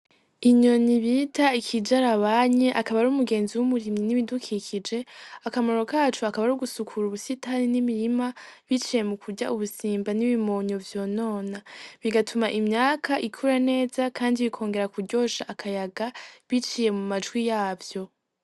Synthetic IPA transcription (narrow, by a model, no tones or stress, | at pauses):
iɲo̞niβitaikʰid͡ʒaɾaβaɲe̞ʔakaβaɾuːmuɡe̞ːnziwumuɾimɲiniβidukʰikʰid͡ʒe̞akamo̞ɾo̞kaːt͡ʃuakaβaɾuɡusukʰuɾuβusitaɾinimiɾimaβit͡ʃije̞mukʰuɟa̰ʔuβusiːmbaniβimo̞ːɲo̞vjo̞ːno̞ːnaβiɡatʰumaʔimɲaːkʰaʔikʰuɾane̞ːzakʰaːndiβikʰo̞ːŋɡe̞ɾakuɟo̞ːʃaʔːkʰajaɡaβit͡ʃije̞mumad͡ʒɡwijaːvjo̞